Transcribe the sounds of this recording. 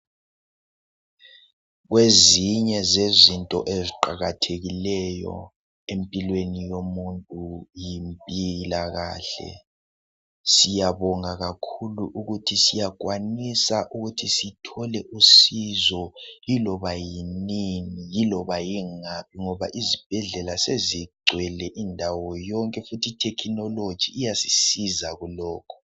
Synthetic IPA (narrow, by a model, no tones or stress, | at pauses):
ɣweziɲɛzezintʼɔ̰ʔeziǃaɣatʰeɣilɛjɔ̰ | empʼilwenijomuntʼujimpʼilaɣa̰ːɬɛ̰ | sijaβɔŋaɣakʰuluʔuɣutʰisijak̬ʼwanisaʔuɣutʰisitʰɔlɛʔusizɔjilɔβajininijilɔβajiŋapʰiŋɔβa̰ʔizib̥ʱɛɮɛlaseziɡ͡ǀʱwɛlɛʔindʱawɔjɔŋkʼɛfutʰitʰɛkʰinɔlod̥d͡ʒ̥ʱiːjasisizaɣulɔːkʰɔ̥